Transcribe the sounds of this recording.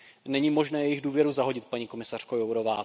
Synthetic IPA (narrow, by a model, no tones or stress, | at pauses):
nɛɲiːmo̞ʒnɛːjɛjɪɣduːvjɛɾuzaɦo̞ɟɪt̪̚paɲiko̞mɪsar̝̥kojowɾo̞vaː